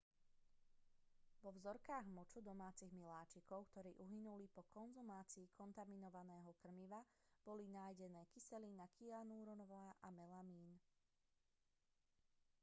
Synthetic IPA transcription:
ʋɔʋzɔɾkaːɣmɔt͡ʃud̪ɔmaːt͡siɣmilaːt͡ʃikɔʊkt̪ɔɾiːʔuɦinulipɔkɔnzumaːt͡siːkʰɔnt̪aminɔʋanɛːɦɔkr̩miʋa | b̥ɔlinaːjɟɛnɛːkisɛlinakianuːɾɔnɔʋaːʔamɛlamiːn

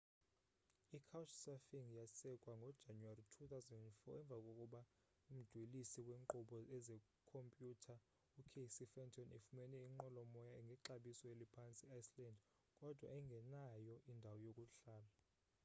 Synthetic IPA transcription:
ikʰawt͡ʃʰsafiŋjasɛkʼwaŋɡʱɔd̥ʒ̥ʱanwaritʰut̪ʰʼawzɛndɛntfɔɛɱb̪vʱakʼokʼuɓa | um̩d̥ʱwilisiwɛŋǃuɓɔɛzɛ | kʰompʼjutʰa | ukʰesifɛntʰɔnifumɛnɛiŋ͡ǃɔlɔmɔjaɛŋɡʱɛǁaɓisɔelipʰant͡sʼiajslɛnd | kʼɔd̥ʱwaɛiŋɡʱɛnajɔʔindʱawɔjokʼuɬaːla

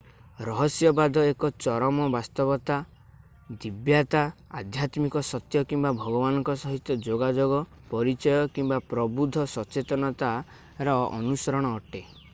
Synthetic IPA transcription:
ɾɔɦɔsjɔbad̪ʱɔekɔt͡ʃɔɾɔmɔbast̪ɔbɔt̪a | d̪ibjat̪aa̰d̪ʱjat̪mikɔsɔt̪jɔkimbabʱɔɡɔbanɔŋkɔsɔɦit̪jɔd͡ʒoɡad͡ʒoɡɔ | pɔɾit͡ʃɔjɔkimbapɾɔbud̪ʱɔsɔt͡ʃet̪ɔnɔt̪a | ɾɔɔ̰nusɔɾɔɽ̃ɔːʈe

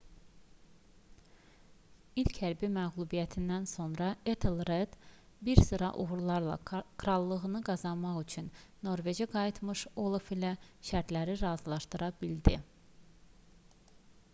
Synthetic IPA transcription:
ilcʰhæɾbimæɣlˠubijæt̪ʰind̪ænso̞nɾɑet̪ʰelˠɾed̪̥ | biɾsɯɾɑʔuɣuɾlˠɑɾlˠɑ̰kɾɑlˠːɯɣɯnɯɡɑzɑnmɑχyt͡ʃʰynːo̞ɾve̞d͡ʒiɡɑjit̪ʰmɯʃolˠfilæʃæɾt̪læɾiɾɑːzlˠɑʃt̪ɯɾɑbild̪i

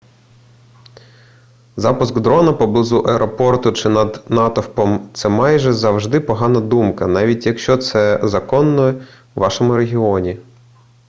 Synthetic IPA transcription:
zɑpʊsɡd̪ɾɔnɐpɔblˠɪzuʔɐɛɾʔɔpɔrt̪ʊt͡ʃɪnɐd̪nɑt̪ɔwpɔmt̪sɛmɑjʒɛzɐwʒd̪ɪpɔɦɑnɐd̪umkɐnɑʋʲitʲjɐkʃt͡ʃɔt̪sɛzɐkɔnːɔjɛ | ʋɑʃɔmʊɾeɦʲiɔnʲi

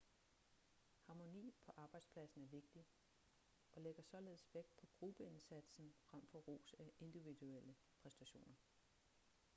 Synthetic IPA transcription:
hɑ̈ːmo̝nḭːpʰɒ̽ʔɑ̈ːb̥ɑ̈ɪd̥spʰlæsn̩æɐʋe̝ɡ̥̚d̥i | ɒ̽leɡ̥ɐsɒ̽le̝ːðˠsʋeɡ̥̚pʰɒ̽ɡ̥ʁub̥əe̝nsæd̥sn̩fʁam̰fɒ̽ʁo̰ːsæʔe̝nd̥iʋid̥uel̰ə | pʰʁɛsd̥æɕo̝̰ːnɐ

